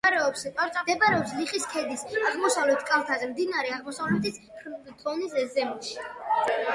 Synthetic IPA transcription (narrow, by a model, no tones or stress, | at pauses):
ɾɛɔpsq̪ʼaɾsʼad̪ɛbaɾɛɔpsliχiskʰɛd̪isaʁmɔsavlɛt̪ʰkʼalˠt̪ʰazɛmd̪inaɾɛaʁmɔsavlɛt̪ʰis | t̪ʼɔnisɛzɛmiʃi